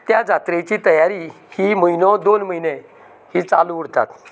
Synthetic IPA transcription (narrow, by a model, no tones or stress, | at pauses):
t̪jad͡zʱat̪ɾet͡ɕit̪əjaɾi | himəinɔd̪onməinẽ | hit͡saluuɽ̤t̪a̰t̪